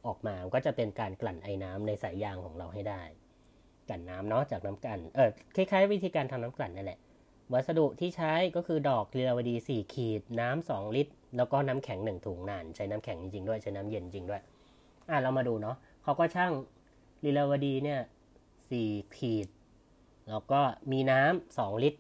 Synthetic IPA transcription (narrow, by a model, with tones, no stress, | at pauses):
ʔɔː˨˩k̚maː˧kɔː˥˩t͡ɕa˨˩pe˧nkaː˧nkla˨˩nʔa˧jnaː˦˥mna˧jsaː˩˦jjaː˧ŋkʰɔː˩˦ŋɾa˧wɦa˥˩jdaː˥˩j | ka˨˩nːaː˦˥mnɔ˦˥t͡ɕaː˨˩k̚naː˦˥mka˨˩nʔɤː˨˧˩kʰa˦˥˩kʰaː˦˥jwt̪ʰiː˧kaː˧nt̪ʰa˧mnaː˦˥mkla˨˩nːa˥˩nlɛ˨˩ʔ | wa˨˩t̪̚sa˧du˨˩ʔt̪ʰiː˥˩t͡ɕʰa˦˥jkɔː˥˩kʰɯː˧dɔː˨˩k̚li˧la˧wa˧diː˧siː˨˩kʰiː˨˩t̪̚naː˦˥msɔː˩˦ŋli˦˥t̪̚lɛː˦˥wkɔː˥˩naː˦˥mkʰɛ˨˩˦ŋnɯ˨˩ŋt̪ʰuː˩˦ŋnaː˨˩nt͡ɕʰa˦˥jnaː˦˥mkʰɛ˩˦ŋt͡ɕi˧ŋt͡ɕi˧ŋdu˥˩əjt͡ɕʰa˦˥naː˦˥mje˧n˧t͡ɕi˧ŋdu˥˩əj | ʔa˧˩ɾa˧wmaː˧duː˧nɔ˦˥ | kʰa˦˥wkɔː˥˩t͡ɕʰa˥˩ŋ | li˧laː˧wa˧diː˧ni˥˩ɐ | siː˨˩kʰiː˨˩t̪̚ | lɛː˦˥wkɔː˥˩miː˧naː˦˥msɔː˩˦ŋli˦˥t̪̚